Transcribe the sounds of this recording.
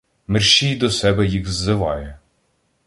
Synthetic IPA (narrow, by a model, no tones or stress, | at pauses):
mɪrʃijd̪ɔsɛbɛjixzːɪʋɑjɛ